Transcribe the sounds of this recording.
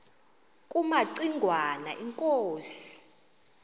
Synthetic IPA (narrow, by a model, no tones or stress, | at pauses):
kʼumaǀiŋɡʱwanaʔiŋkʼoːsi̥